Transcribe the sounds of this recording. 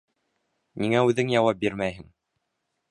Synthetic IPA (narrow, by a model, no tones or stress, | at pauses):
niŋæʉðɘŋjɑwɑp̚biɾmæjɦɘŋ